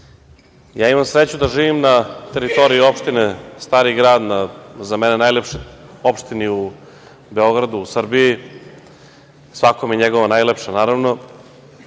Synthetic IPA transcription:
jaːimamsɾet͡ɕud̪aʒiːʋimnat̪e̞ɾit̪o̞ɾiio̞pʃt̪inest̪aːɾiɡɾaːd̪nazamenenajlepʃeopʃt̪iniu | be̞o̞ɡɾad̪uːsr̩biji | sʋakomjeɲeɡo̞ʋanajlepʃanaːɾaʋno̞

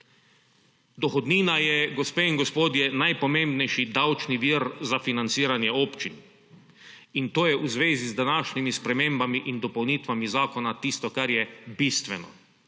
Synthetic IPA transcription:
d̪ɔxɔd̪niːnajɛɡɔspeːinɡɔspoːd̪jɛnajpɔmẽmbnɛjʃid̪awt͡ʃniʋiːɾzafinant̪siːɾanjɛoːpt͡ʃin | int̪oːjɛʔuzʋeːzizd̪anaːʃnimispɾɛmẽːmbamiʔind̪ɔpɔwniːt̪ʋamizaːkɔnat̪ist̪ɔkaɾjɛbiːst̪ʋɛnɔ̰

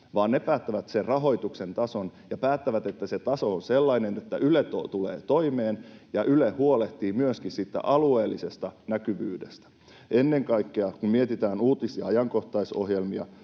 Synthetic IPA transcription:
ʋɑːnnepæːt̪ːæʋæt̪serrɑɦo̞jt̪uksent̪ɑsonjɑpæːt̪ːæʋæt̪et̪ːæset̪ɑso̞onselːɑinenet̪ːæ̰ʔylet̪ot̪ulḛːt̪o̞imeːnjɑʔylehuoleht̪iːmyøskissit̪ːæ̰ʔɑlueːlːisest̪ɑnækyʋyːdest̪æ̥ | enːe̞ŋkɑikːeɑkummiet̪it̪æːnuːt̪isiɑɑjɑŋko̞ht̪ɑiso̰hjelmiɑ̰

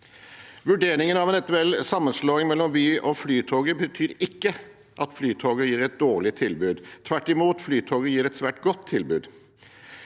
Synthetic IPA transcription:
ʋʉɖeːɾɪŋənɑʋɛnɛt̪ʉɛlsɑmːənsloːɪŋmɛlːɔmʋyːʔoflyːt̪ʰoːɡəbət̪ʰyːɾɪkːə | ʔɑt̪flyːt̪ʰoːɡəjiːɾɛt̪̚d̪oːɭɪt̪ʰɪlbʉːd̪t̪ʰʋæʈːɪmuːt̪flyːt̪ʰoːɡəjiːɾɛt̪sʋæːʈɡɔt̪ʰːɪlbʉːd̪

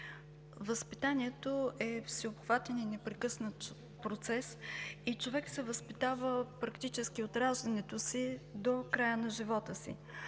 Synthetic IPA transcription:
vəspit̪aniɛt̪oʔɛfsiopxvat̪ɛninɛpɾɛkɤsnət̪ | pɾot̪sɛsit͡ʃovɛksɛvəspit̪avəpɾɐkt̪it͡ʃɛskiot̪ɾaʒd̪ɐnɛt̪osid̪okɾajənɐʒivɔt̪əsḭ

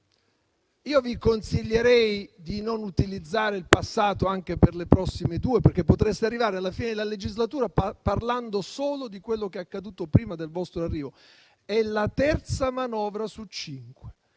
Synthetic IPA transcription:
iːovikonsiʎːeɾɛjd̪inonut̪ilid̪zːaːɾeilpasːaːt̪oaŋk̟eperlepɾɔsːimed̪uːeperkːepːot̪ɾest̪earːivaːɾealːafiːned̪elaled͡ʒizlat̪uːɾaparland̪osoːlod̪ikwelːokeaakːad̪uːt̪opɾiːmad̪elvɔst̪ɾoarːiːvo | ɛlat̪ɛrt̪samanɔːvɾasut͡ʃːiŋkwe̥

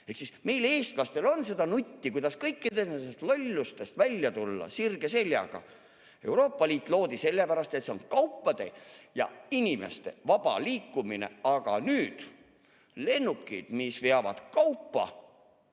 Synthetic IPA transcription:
e̞ksisme̞jle̞ːst̪lɑst̪e̞lo̞nse̞d̪ɑnut̪ʲːikujd̪ɑskɤjkˑːid̪enesest̪lolʲːust̪e̞st̪vælʲːjɑt̪ulːɑ̰sirɡ̥e̞se̞lʲjɑ̰ɡ̥ɑ̰ | e̞wɾo̞ːpːˑɑliːt̪ːˑlo̞ːd̪ise̞lːepæɾɑst̪e̞t̪se̞onkɑwpːˑɑd̪̥e̞̰jɑ̰inʲime̞̰st̪e̞̰vɑb̥ɑ̰liːkːumine̞̰ɑɡ̥ɑ̰nyːd̪̥ | le̞nːukːˑḭd̪̥misveɑvɑ̰d̪̥kɑwpːɑ̰

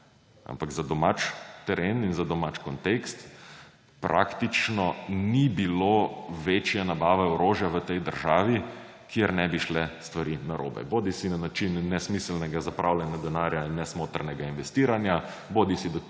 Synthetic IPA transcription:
a̰mpaɡzad̪ɔmat͡ʃt̪ɛɾeninzad̪ɔmat͡ʃkɔnt̪ekst̪ | pɾʔa̰kt̪it͡ʃnɔnibiloʋeːt͡ʃjɛnabaːʋɛɔɾoːʒjaʋət̪ɛjd̪əɾʒaːʋi | kʰjeɾnɛbiʃlɛst̪ʋaɾinaɾʔo̰ːbɛ̰boːd̪isinanat͡ʃinːɛsmislnɛɡazapɾʔawlʲjɛnjad̪ɛnaːɾjainːɛsmoːt̪ɾnɛɡainʋɛst̪iːɾanja | boːd̪isid̪ɔ

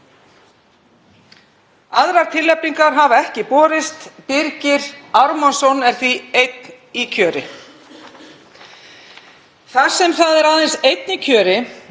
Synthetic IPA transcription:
aðɾaɾ̥t̪ʰɪlːɛpniŋkaɾɦavaɛhcɪpɔːɾɪst̪pɪɾcɪɾaɾmansɔnɛɾ̥θiejt̪̚n | icʰœːɾɪ | θḁsɛmθaðɛɾaðensejt̪nɪcʰœːɾɪ

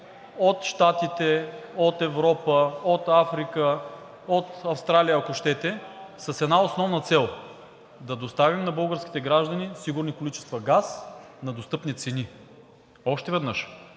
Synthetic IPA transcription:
ot̪ʃt̪at̪it̪ɛot̪ɛvɾɔpəot̪afɾikə | ot̪ɐfst̪ɾalijəːkoʃt̪ɛt̪ɛsəsɛd̪naosnɔvnət̪sɛlˠ | d̪ɐd̪ost̪avimnɐbɤlˠɡəɾskʲi̥t̪ɛɡɾaʒd̪ɐnisiɡʊɾnikolit͡ʃɛst̪vɐɡas | nɐd̪ost̪ɤpnit̪sɛni | ɔʃt̪ɛvɛd̪nɤʃ

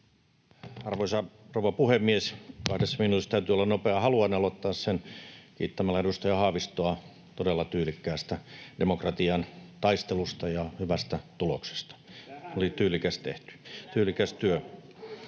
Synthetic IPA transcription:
ɑrʋoisɑrouʋɑpuhemːieskɑhdesminut̪ist̪æyt̪yolːɑnopeɑhɑluɑneɑlot̪ːɑːssenkḭːt̪ːæmælːæedust̪ɑjɑhɑːʋist̪oɑ | t̪odelːɑt̪yːlikːæːst̪æd̥emokrɑt̪iɑnt̪ɑist̪elust̪ɑjɑhyʋæst̪æt̪ulokse̥st̪ɑ̥olit̪yːlikæst̪ḛht̪y̥t̪yːlikæst̪yø

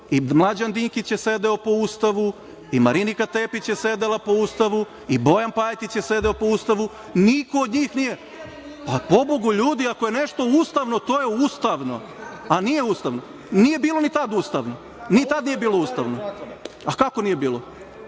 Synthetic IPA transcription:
imlˠad͡ʑand̪iŋkit͡ɕjesed̪eo̞po̞ust̪aʋu | imaɾinikat̪eːpit͡ɕjesed̪elapo̞ust̪aʋu | ibo̞janpajet̪it͡ɕjese̞d̪eopo̞ust̪aʋu | nikoːd̪ɲiːxnije̞ | papo̞boɡuʎuːd̪iako̞je̞neʃt̪o̞ust̪aʋno̞t̪oːjeust̪aʋno̞ | anije̞ust̪aʋno̞ | nije̞biːlˠo̞nit̪ad̪ust̪aʋno | nit̪ad̪nije̞biːlˠo̞uːst̪aʋno | akako̞nije̞biːlo

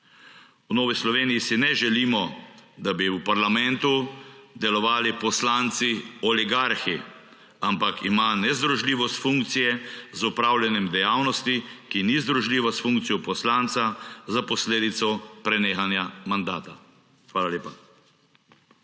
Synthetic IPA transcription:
wnoːʋislɔʋeːnijisinɛʒɛliːmɔd̪abiupaɾlamɛ̃nt̪ud̪ɛlɔʋaːlipɔslaːnt̪siɔliɡaɾxi | ampakʰimanɛzd̪ɾuʒliːʋɔst̪fuŋkt̪sijɛzupɾaːwlʲjɛnɛmd̪ɛjaːwnɔst̪ikinizd̪ɾuʒliːʋasfũŋk̚t̪sijɔpɔslaːnt̪sazapɔsleːd̪it̪sɔpɾɛneːxanjamand̪aːt̪a | xʋaːlalʲeːpa

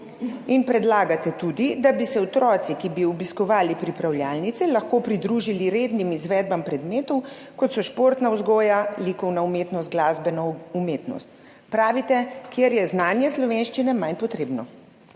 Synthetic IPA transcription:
inpɾɛd̪laːɡat̪ɛt̪ud̪id̪abisɛɔt̪ɾɔːt̪sikibiɔbiskɔʋaːlipɾipɾawljaːlnit̪sɛlɐxkoːpɾid̪ɾuʒiliɾed̪nimizʋɛːd̪̚bampɾɛd̪meːt̪ɔwkɔt̪sɔʃpoːɾt̪nawzɡɔːjaliːkɔwnaumeːt̪nɔst̪ɡlaːzbɛnɔumeːt̪nɔ̰st̪ | pɾaːʋit̪ɛkjeɾjɛznaːnjɛslɔʋenʃt͡ʃinɛmajnpɔt̪ɾeːbnɔ

